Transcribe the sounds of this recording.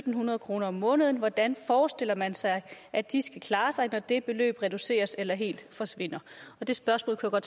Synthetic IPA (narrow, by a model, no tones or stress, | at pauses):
ød̥n̩hunɐð̞ˠkʰʁo̝ːnɐɒ̽mːɔ̽ːnəð̞ˠn̩ʋɒd̥ænfɒːsd̥e̝l̰ɐmænsɑ̈ɪʔæd̥isɡ̥ækʰlɑ̈ːsɑ̈ɪnɒd̥e̝b̥e̝lø̰ːb̥ʁɛd̥use̝̰ːɐselɐɦe̝̰ːld̥fɒ̽sʋe̝n̰ɐɒ̽d̥e̝sb̥ɶɐsmɔ̰̽ːlkʰujaɡ̥ɒ̽d̥